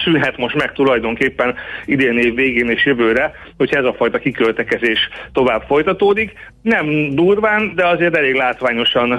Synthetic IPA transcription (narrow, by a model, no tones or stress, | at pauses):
synɦɛt̪mo̞ʃt̪mɛk̚t̪ulɒjd̪o̞ŋkeːpːɛnid̪eːneːvːeːɡeːneːʃjøvøːɾɛ | ho̞chɒɛzɒfɒjt̪ɒkikølt̪ɛkɛzeːʃt̪o̞vaːb̥fo̞jt̪ɒt̪oːd̪ik | nɛmd̪uːrvaːnd̪ɛɒzeːrt̪ɛleːɡlaːt̪ʋaːɲo̞ʃɒn